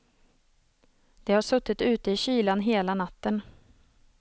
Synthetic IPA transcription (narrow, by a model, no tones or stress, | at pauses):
d̪̥ɛhaʂɵt̪ːɪt̪ʉ̟ːt̪əɪɕyːlanɦeːlanat̪ːən